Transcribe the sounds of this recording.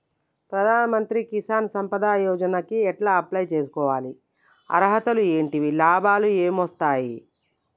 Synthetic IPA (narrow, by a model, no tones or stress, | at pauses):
pɾɐd̪ʱaːnɐmɐnt̪ɾikisaːnsɐmpɐd̪aːjɔːd͡ʒɐnɐkiɛʈlaːɐplɐjt͡ʃe̞ːs̬u̥kɔːʋaːli | ɐ̰ɾɦɐt̪ɐlue̞ːɳʈiʋilaːbʱaːlue̞ːmʋɐst̪aːji